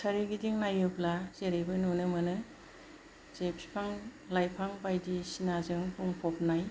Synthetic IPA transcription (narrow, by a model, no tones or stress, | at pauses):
saɾiɡidiŋnajɯplazeɾejbɯnunɯmɯnɯ | zepsi̥pʰaŋ | lajpʰaŋbajdisinazɯŋpʰuŋpʰɔp̚naj